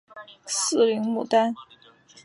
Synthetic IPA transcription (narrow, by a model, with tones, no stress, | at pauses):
sɹ̩˥˩li˧˥ŋmu˨˩t̪a˥n